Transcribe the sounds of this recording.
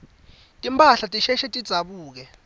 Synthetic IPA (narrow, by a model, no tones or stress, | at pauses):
tʼimpʰʼaɬatʼiʃɛʃɛtʼid̥z̥ʱaɓuːk̬ɛ